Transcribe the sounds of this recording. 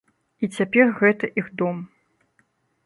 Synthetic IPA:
it͡sʲapʲɛrɣɛt̪ɐʔiɣd̪ɔm

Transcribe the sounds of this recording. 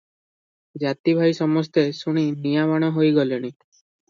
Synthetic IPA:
d͡ʒat̪ibʱajsɔmɔst̪esuɽ̃inijamɔɽ̃ɔɦojɡɔlɔɽ̃i

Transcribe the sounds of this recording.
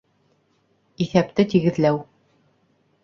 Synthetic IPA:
iθæp̚t̪ɘt̪iɣɘ̆ðlæw

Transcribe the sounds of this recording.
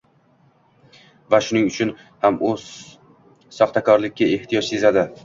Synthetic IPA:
vaʃʊnɪŋʊt͡ʃʰʊn | hamʊz | sɒχt̪akʰɒɾlɪkʲːae̞ht̪ʰijɒt͡ʃse̞zad̪ɪ

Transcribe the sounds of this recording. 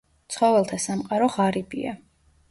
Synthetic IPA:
t̪sʰχɔvɛlˠt̪ʰasamqʼaɾɔʁaɾibḭa

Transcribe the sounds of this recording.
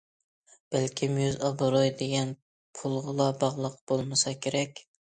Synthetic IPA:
b̥ɛlkʲʰimjøzɑbɨɾojd̪eɡʲɛn | pʰulˠʁəlˠɑbɑʁlˠəqb̥olˠmɨsɑkʲʰeɾɛkʲ

